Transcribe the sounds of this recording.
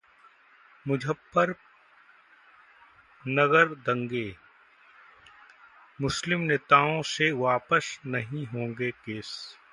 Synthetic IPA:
mʊd͡ʒʱəpːəɾ | nɐɣəɾd̪ɐ̃ŋɡeː | mʊslɪmneːt̪aːõseʋaːpəsnɐɦĩɦõːŋɡekeːs

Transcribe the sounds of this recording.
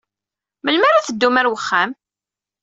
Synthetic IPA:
məlmaɾaθəd̪ːumæɾwəχːam

